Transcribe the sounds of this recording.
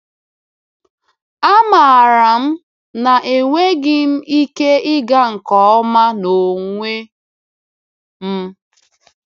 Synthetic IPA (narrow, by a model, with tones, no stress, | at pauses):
a˦ma˨a˨ɾa˨m̩˦ | na˨ʔe˨ŋʷe˦ɡɪ˦m̩˦i˦ke˦ɪ˦ɡa˦ŋ̩˨kɔ˨˦ɔ˦ma˦no˨ŋʷe˦ | m̩˦